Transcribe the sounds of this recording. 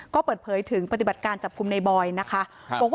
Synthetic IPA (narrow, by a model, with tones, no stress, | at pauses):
kɔː˥˩pɤː˨˩t̪̚pʰɤː˩˦jt̪ʰɯ˩˦ŋpa˧t̪i˨˩ba˨˩t̪̚kaː˧nt͡ɕa˨˩p̚kʰu˧mna˧jbɔː˧jna˦˥kʰa˦˥ʔ | bɔː˨˩k̚w